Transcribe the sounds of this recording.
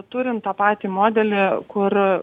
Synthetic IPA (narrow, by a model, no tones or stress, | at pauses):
t̪uːɾʲɪnt̪t̪ːɑːpɑːt̪ʲiːmoːd̪ʲɛlʲɪkʊr